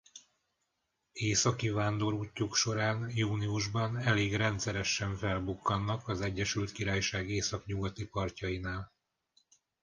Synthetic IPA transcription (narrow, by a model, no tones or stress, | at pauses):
eːsɒkivaːnd̪o̞ɾuːcːukʃo̞ɾaːnjuːniuʒbɒnɛleːɡrɛnt̪sɛɾɛʃːɛɱfɛlbukːɒnːɒkɒzɛɟːɛʃylt̪kiɾaːjʃaːɡeːsɒkɲuɡɒt̪ipɒrcɒjinaːl